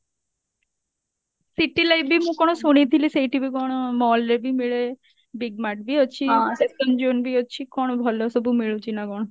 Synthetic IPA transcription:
siʈilajbimũkɔɽ̃osuɽ̃it̪ʰilisejʈibiɡɔɽ̃omɔlɾebimiɭe | biɡ̚maʈ̚biɦɔt͡ʃʰiãsesʈ̪ɔnd͡ʒonbiɦɔt͡ʃʰikɔɽ̃obʱɔlɔsɔbumiɭut͡ʃʰinaɡɔɽ̃o

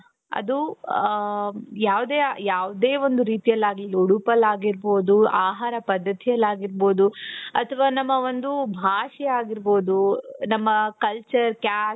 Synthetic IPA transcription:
ɐ̰d̪u | jaːʋd̪eːjaːʋd̪eːʋo̞nd̪uɾiːt̪ijɐlːaːɡliloɽupɐlaːɡiɾbo̞ːd̪uaːɦaːɾɐpɐd̪ʱːɐt̪ijɐlːaːɡiɾbo̞ːd̪uɐt̪ʰɐʋaːnɐmːɐʋo̞nd̪ubʱaːʂɛjaːɡiɾbo̞ːd̪unɐmːɐkɐlt͡ʃɐɾkaː

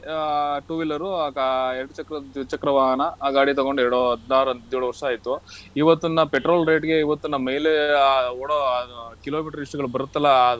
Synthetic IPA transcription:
ʈuːʋilɐɾukeɾɐɽut͡ʃɐkɾɐt͡ʃɐkɾɐʋaːɦɐnɐɡaːɽit̪ɐɡoɳɖɛɾɐɽuɐd̪aːɾɐnd̪eɭɽuʋɐɾʂɐaːjt̪ːuiʋɐt̪ːunːɐpeʈɾoːlɾe̞ːʈɡe̞iʋɐt̪ːunːɐmejleoːɽokiloːmiːʈɐɾiʂʈuɡɐɭubɐɾut̪ːɐlːɐd̪

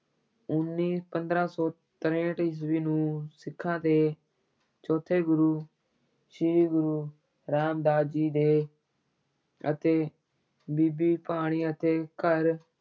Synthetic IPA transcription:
ʊnːiːpənd̪ɾãːsɔː | t̪əɾẽːʈɪs̬ʋiːnũːsɪkʰːãːt̪eː | t͡ʃɔːt̪ʰeːɡʊɾuː | ʃɪɾiːɡʊɾuː | ɾaːmd̪aːd̪d͡ʒiːd̪eː | ə̰t̪eː | biːbiːpaːɽ̃iːət̪eːkəɾ

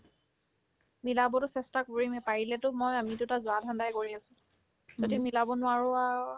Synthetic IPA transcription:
milabɔtʊsɛstakoɹimɛpaɹilɛtʊmojamitʊtazʊadʱãndajkoɹiasʊ̃ | zodimilabɔnʊaɹɔa

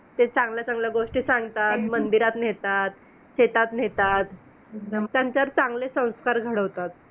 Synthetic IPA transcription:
t̪et͡sãŋɡljat͡sãŋɡljaɡoʂʈiːsãŋɡt̪at̪mənd̪iɾat̪net̪at̪ | ɕet̪at̪net̪at̪ | t̪jãɲt͡ɕaɾt͡sãŋɡlesə̃w̃skaɾɡʱəɽəʋt̪at̪̚

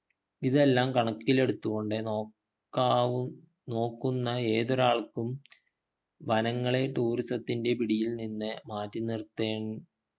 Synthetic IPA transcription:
iðe̞lːaːmkɐɳɐkːile̞ɽut̪ːuɣo̞ɳɖɨ | kːaː | no̞ːkːunːɐe̞ːðoɾaːɭkːum | ʋɐnɐŋːɐɭe̞ʈuːrisɐt̪ːinde̞piɽijilninːɨmaːtːinirt̪ːeːɳ

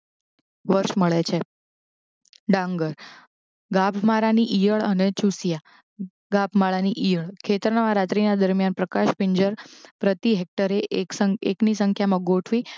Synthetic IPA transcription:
ʋəɾʃməɭet͡ʃʰe | ɖãŋɡəɾ | ɡapʰmaɾaniʔijəɭənet͡ʃusija | ɡapʰmaɭaniʔijəɭkʰet̪əɾnaʋãɾat̪ɾinad̪əɾmjanpɾəkaʃpiɲd͡ʒəɾpɾət̪iɦek̚ʈəɾesəeknisəŋkʰjamãɡoʈʰʋi

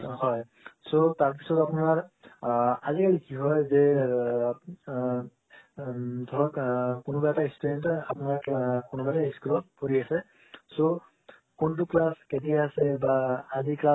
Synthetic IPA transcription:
hɔj | sotaɹp̬isɔtapunaɹ | azikalikiɦɔjzɛ | dʱɔɹɔkkunʊbaɛtaistɛntapunaɹkonubataɦiskulɔt̚poɹiasɛ | so | kont̬uklasketijaasɛbaːzikla

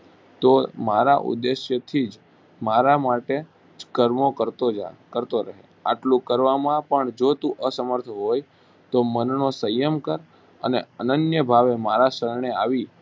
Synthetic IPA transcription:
t̪omaɾaʔṵd̪ːeʃjət̪ʰid͡ʒ | maɾamaʈe | d͡ʒkəɾmokəɾt̪okəɾt̪oɾəɦḛ | a̰ʈlũkəɾʋamãpəɳd͡ʒot̪ũʔəsəməɾt̪ʰəɦoj | t̪omənnosəjəmkəɾ | əneənənjəbʱaʋemaɾasəɾɳeaʋi

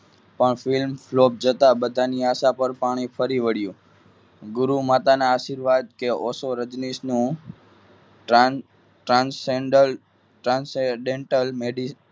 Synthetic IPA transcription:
pəɳfilmflop̚d͡ʒət̪abəd̪ʱaniaʃapəɾpaɽ̃ifəɾiʋəɽjũ | ɡʊɾumat̪anaːʃiɾʋad̪̚keɔsoɾəd͡ʒnisnũ | ʈɾanseɳɖəl | ʈɾanseɖeɳʈəlmeɖi

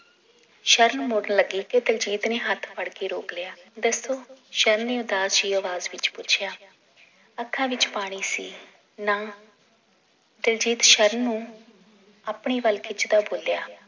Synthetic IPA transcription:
ʃəɾnmʊɽəɳləɡiːked̪əld͡ʒiːt̪neːɦət̪ʰpʰəɽkeːɾoːkljaːd̪əsoːʃəɾənːeːʊd̪aːd͡ʒiːəʋaːzʋɪt͡ʃpʊt͡ʃʰɪjaː | əkʰːãːʋɪt͡ʃpaːɽ̃iːsiː | nãː | d̪əld͡ʒiːt̪ʃəɾnːũː | əːpɳiːʋəlkɪt͡ʃʰd̪aːboːljaː

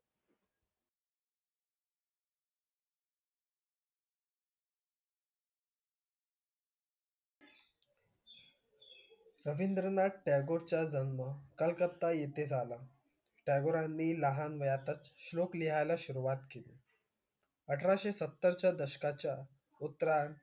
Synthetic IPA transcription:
ɾəʋind̪ɾənaʈɛɡoɾt͡ɕjad͡zənməkəlkət̪ːajet̪ed͡zʱala | ʈɛɡoɾanːiːləɦanʋəjat̪at͡sɕlokliɦajlaɕuɾuʋat̪keli | əʈʰɾaɕesət̪ːəɾt͡ɕjad̪əɕə̥kat͡ɕja | ut̪ːɾan

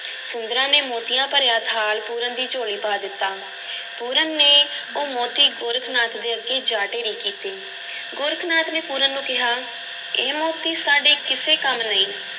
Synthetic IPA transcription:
sʊnd̪əɾãːneːmoːt̪ɪjãːpəɾjaːt̪ʰaːlpuːɾənd̪iːt͡ʃoːɽiːpaːd̪ɪt̪ːaː | puːɾənːeːoːmoːt̪iːɡoːɾkʰnaːt̪d̪eːəɡeːd͡ʒaːʈeːniːkiːt̪eː | ɡʊːɾkʰnaːt̪neːpuːɾənːũːkɪɦaː | eːmoːt̪iːsaːɖeːkɪseːkəmnəĩː

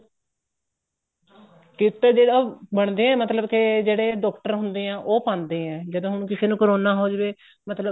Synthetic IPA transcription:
kɪt̪ːeːd͡ʒeːɽabəɳd̪eːɛ̃ːmət̪ləbked͡ʒeːɽeːɖɔːkʈəɾɦʊnd̪eːɛ̃ːʔoːpãːnd̪eːɛ̃ːd͡ʒəd̪õːɦʊñukɪseːnũːkəɾoːnaːɦoːd͡ʒʋeː | mət̪ləb

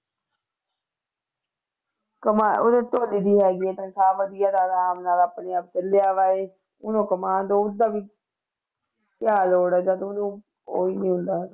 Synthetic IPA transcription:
kəmaːoːd̪eːt̪oːliːd̪iːɦɛːɡieːt̪ə̃ŋkʰaːʋəd̪ijaːd̪aːd̪aːmnaːlaːpneːaːp̚t͡ʃəlejaːʋaːeː | ʊnõːkəmaːnd̪oːʊd̪aːʋiː | kjaːloːɽɛːd͡ʒaːd̪ʊnũː | o̰ːiːnĩːɦʊ̃nd̪aː

